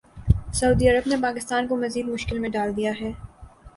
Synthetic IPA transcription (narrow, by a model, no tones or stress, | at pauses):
sɐuːd̪iɐɾəbnepaːkɪst̪aːnkomɐziːd̪mʊʃkɪlmẽɖaːld̪ijaɦɛː